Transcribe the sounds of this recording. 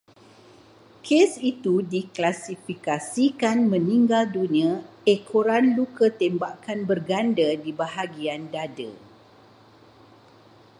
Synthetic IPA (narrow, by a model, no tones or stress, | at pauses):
kʰesit̪udiklasifikasikanmə̃niŋɡaldunĩã | ekʰoɾanlukət̪embakanbərɡandədibaɦaɡiandadə̰